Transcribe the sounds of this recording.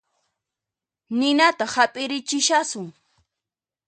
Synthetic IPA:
nɪnat̪aχhapʼɪɾɪt͡ʃɪʃasʊŋ

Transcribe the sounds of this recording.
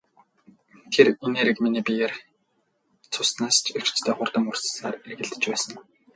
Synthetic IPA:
t̪ʰerineːɾɘ̆kminiːpʲijer | t͡sʰʊsnaːst͡ɕʰew̥t͡ɕt͡ɕt̪ʰeːχʊrt̪ə̆mur̥ssaːrerɣɘ̆ɮt̪ɘ̥̆t͡ɕpæːsə̆n

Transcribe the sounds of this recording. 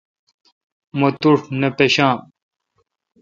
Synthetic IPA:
mot̪uʂnepeɕãːm

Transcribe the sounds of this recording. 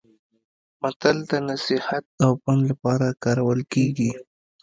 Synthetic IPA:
mat̪ald̪ənasɪhat̪̚awpanlapɑɾakɑɾawəlkeɡi

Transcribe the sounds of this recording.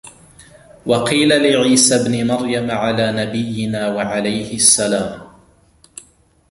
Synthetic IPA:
wɑqiːlalɪʕiːsabnɪmaɾjamʕalaːnabɪjːɪnaːwaʕalajhɪʔasːalaːm

